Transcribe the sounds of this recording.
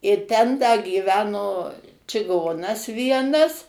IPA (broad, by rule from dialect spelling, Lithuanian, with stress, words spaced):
ɪr ˈtʲɛn dɐ ɡʲiːˈʋʲæːnoː t͡ʃʲɪˈɡoːnɐs ˈʋʲiɛnɐs